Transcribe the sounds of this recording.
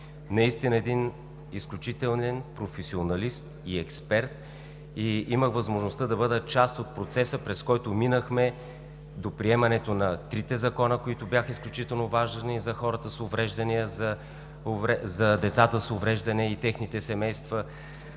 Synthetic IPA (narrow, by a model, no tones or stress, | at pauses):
nɐist̪inəɛd̪in | isklʲut͡ʃit̪ɛlˠnɛnpɾofɛsionɐlist̪ | iɛkspɛɾt̪ | iiməxvɐzmoʒnost̪əd̪ɐbɤd̪ət͡ʃast̪ot̪̚pɾot̪sɛsəpɾɛskɔjt̪ʊminəxmɛ | d̪opɾiɛmɐnɛt̪onɐt̪ɾit̪ɛzɐkɔnəkoit̪ʊbjaxəisklʲut͡ʃit̪ɛlˠnovaʒnizɐxɔɾət̪əsovɾɛʒd̪ɐnijəzɐ | ʊvɛzɐd̪ɛt̪sat̪əsʊvɾɛʒd̪ɐnɛit̪ɛxnit̪ɛsɛmɛjst̪və